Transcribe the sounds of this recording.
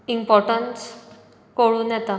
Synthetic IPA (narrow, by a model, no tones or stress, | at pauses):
impɔɾʈəns | koɭuːnjɛt̪a